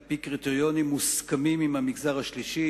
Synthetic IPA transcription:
pikʁit̪eʁjo̞nimːuskamimimhamiɡzaʁhaʃliʃi

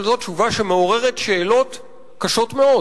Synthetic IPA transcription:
lzott͡ʃuvaʃe̞meo̞ʁeʁetʃe̞ːlo̞t | kaʃo̞tme̞o̞

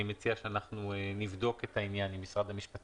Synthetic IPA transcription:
imet͡siaʃeanaχnuenivd̪o̞ke̞tainjanimːisʁad̪amiʃpat̪

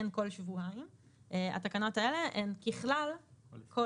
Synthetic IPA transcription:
enko̞lʃvuaim | ʔea̰t̪akano̞taele̞ʔenkiχlalko

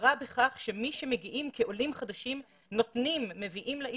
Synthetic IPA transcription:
ʁabeχaχʃe̞miʃe̞meɡiʔimkeʔo̞limχad̪aʃim | no̞t̪nimːe̞viʔimleʔ

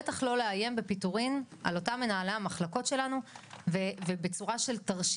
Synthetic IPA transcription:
etaχlo̞leaje̞mbepituʁinʔa̰lo̞tame̞naːlaamaχlako̞tʃe̞lanuvevebet͡suʁaʃe̞ltaʁʃ

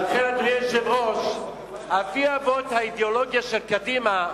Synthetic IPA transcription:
lχeleklejeʃevʁoʃ | afiavot̪haid̪eoloɡjaʃelkadima

